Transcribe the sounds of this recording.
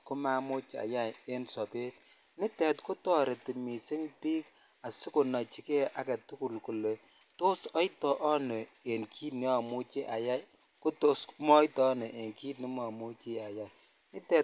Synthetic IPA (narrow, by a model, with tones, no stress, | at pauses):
kʊ˦ma˦mʊ˦t͡ʃa̰˨ja˦˨e˦nsɔ˨pe˦t̚ | nɪ˦tɛ˨tko˦tɔ˦˨ɾe˨ti˨mi˨sɪ˦ŋpi˦k | a˨sɪ˦kʊ˨na˨t͡ʃi˦ke˦ʔa˨kɛ˨tu˦ku˨lku˨le˨ | to˦sɔ˦jtɔ˨ʔɔ˦ne˨e˨nkʰi˦t̚nɪ˦a˨mu˦t͡ʃe˦ʔa˨ja˦j | kʊ˦to˦smɔ˦jtɔ˦ne˨ʔe˨ŋki˦t̚ni˦ma˨mu˦t͡ʃi˦a˨ja˨ | nɪ˦tɛ˨